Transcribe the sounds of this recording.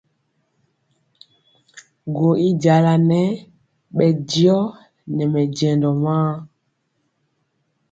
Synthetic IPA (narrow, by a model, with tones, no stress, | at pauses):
ɡo˨i˦ɟa˨la˨nɛ˦ | ɓɛ˨ɟi˦ɔ˦ | nɛ˨mɛ˨d͡ʒɛ˨ndɔ˨mãː˦